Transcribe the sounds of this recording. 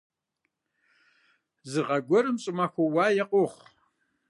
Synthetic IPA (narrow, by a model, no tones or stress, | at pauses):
zɨʁɐɡʷɔɾɨmɕʼɪmaxʷɔwaːjɛqʼʊχʷ